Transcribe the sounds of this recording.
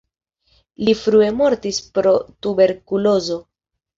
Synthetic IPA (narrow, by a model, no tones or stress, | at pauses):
lifɾue̞mo̞ɾtispɾo̞tube̞ɾkulo̞zo̞